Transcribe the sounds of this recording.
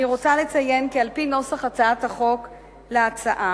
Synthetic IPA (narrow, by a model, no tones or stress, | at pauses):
iʁo̞t͡sale̞t͡saje̞nkealpino̞saχat͡saathaχo̞k | leat͡saʔa